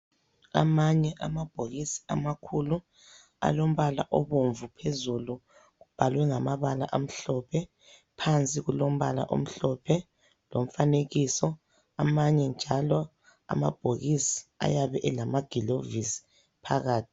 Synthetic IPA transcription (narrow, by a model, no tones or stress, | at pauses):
a̰maɲɛʔamab̥ʱoɣisi̥amakʰulu | a̰lom̩βala̰ʔɔβoɱvupʰezulu | ɣub̥ʱalwɛŋamaβala̰ʔam̩ɬɔpʰɛ | pʰant͡sʼiɣulom̩βa̰la̰ʔo̰m̩ɬɔpʰɛ | lom̩faneɣisɔ | amaɲɛnd͡ʒʱalɔ | a̰ma̰b̥ʱoɣisi̥a̰jaβɛʔɛlamaɡ̥ʱilovisi̥ | pʰaɣaːtʰi̥